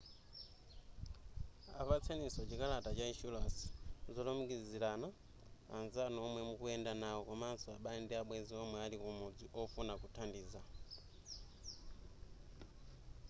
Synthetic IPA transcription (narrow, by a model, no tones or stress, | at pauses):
a̰ɸat͡sʰɛnisɔt͡ʃikalatat͡ʃaiʃulaszɔlɔmukizilana | a̰nzanɔmwɛmukuɛndanaɔkɔmaːnsɔaɓaɛndɛaɓwɛziɔmwɛalikumɔd͡ziʔɔfunakutʰandiːza